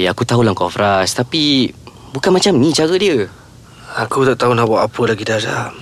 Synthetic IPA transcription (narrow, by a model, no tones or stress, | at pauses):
akut̪aɦulaŋkɔfɾast̪api | bukanmat͡ʃamnĩt͡ʃaɾədiə | akut̪aʔt̪aɦunahbaʔapəlaɡidaɾaʔ